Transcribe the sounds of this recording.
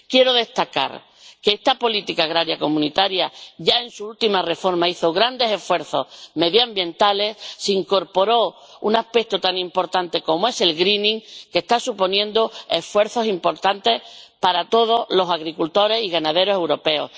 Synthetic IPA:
kje̞ɾo̞ðe̞st̪aka̰ɾ | ke̞est̪apo̞lit̪ikaːɣɾaɾjako̞mũnit̪aɾjaʝae̞nsuult̪imare̞fo̞ɾmaiθo̞ɣɾand̪e̞se̞fwe̞ɾθo̞̰hme̞ðjambjẽ̞nt̪ale̞sseiŋko̞ɾpo̞ɾo̞ | unahpe̞k̚t̪ot̪anĩmpo̞ɾt̪ant̪e̞ko̞moe̞se̞lɣɾinĩŋke̞st̪asupo̞njẽ̞nd̪oe̞fwe̞ɾθo̞simpo̞ɾt̪ant̪e̞hpaɾat̪o̞ð̞o̞lo̞saɣɾikult̪o̞ɾe̞siɣanaðe̞ɾo̞se̞wɾo̞pe̞o̞̰h

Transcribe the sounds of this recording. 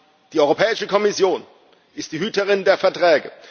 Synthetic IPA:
d̥iːɔʏʁopʰɛːɪʃəkʰɔmɪsjoːn | ʔɪstd̥iːɦyːtəʁ̞ɪndeːɐfɛɐtʁ̥ɛːɡə̰

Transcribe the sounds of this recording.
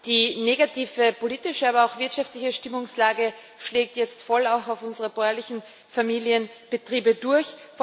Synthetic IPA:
d̥iːneɡatʰiːfəpoliːtɪʃəaːbɐaʊxv̥ɪɐtʃaftlɪçəʃtɪmʊŋslaːɡə | ʃleːk̚tjɛt͡stfɔlaʊxaʊfʊnzəʁəb̥ɔɐɐlɪçn̩ | famiːliənb̥ətʁ̥iːbədʊɐçf

